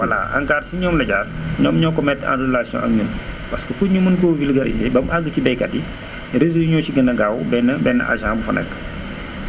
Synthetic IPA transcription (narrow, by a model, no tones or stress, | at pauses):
wɐla̰ʔa̰ŋkaːrsiɲɔːmlɐɟaːrɲɔmɲɔːkɔmɛtːa̰dulaːsijɔ̰̃ʔɐ̰k̚ɲənpɐskəkuɲumənkɔvilɡɐɾḭzeːbɐmaɡːəcibɛjkɐdi | ɾezujuɲɔːsiɡɐnɐɡaːwbɛnːəbɛnːə̰ʔa̰ʒãːbufɐnɛ̰kː